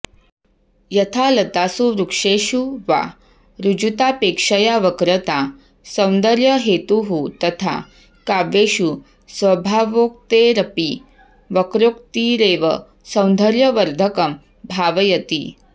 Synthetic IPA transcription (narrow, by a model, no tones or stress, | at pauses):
jɐt̪ʰalɐt̪asuɾukʂeɕuʋa̰ | ɾud͡ʑut̪apekʂəjaʋəkɾət̪a | sɐ̃wnd̪əɾjəɦet̪uɦut̪ɐt̪ʰa̰ | kaʋeʃu | sʋɐbʱaʋok̚t̪eɾɐpi | ʋəkɾok̚t̪iɾeʋə̰ | sɐ̃wnd̪ʱəɾjəʋəɾd̪ʱəkəm | bʱaʋɐjɐt̪ḭ